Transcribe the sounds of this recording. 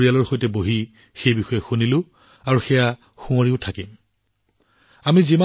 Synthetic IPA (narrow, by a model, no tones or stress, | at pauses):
ɹijalɔɹxojtɛboɦi | xejbixɔjɛxunilʊ̃ | aɹuxɛja | xũoɹiʊtʰakim | amizima